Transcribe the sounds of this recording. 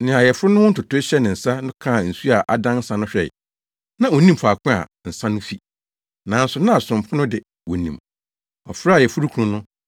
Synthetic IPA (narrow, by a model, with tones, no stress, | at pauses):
nɪ̃˨a˨jɛ˨fʊ˦ɾʊ˦nʊ̃˦wʊ̃˦tʊ˨tʊ˦ɕɛ˦nɪ̃˨n̩˨sa˦nʊ̃˦kʰã˦˨n̩˨su˦a˨ʔa˨dã˦n̩˦sã˨nʊ̃˦ɕᶣɛ̰˨ | nã˨o˨nĩ˦mfa˨kʰʊ̃˦a̰˨n̩˨sã˦nʊ̃˦fi˦ | nã˨n̩˦sʊ˨nã˦a˨sʊ̃˨m˨pʰʊ̃˦nʊ̃˦dɪ˨ | wo˨nḭ̃˨m | ɔ̰˨fɾa˨jɛ˨fʊ˦ɾu˦kʰu˨ũ˨nʊ̃˦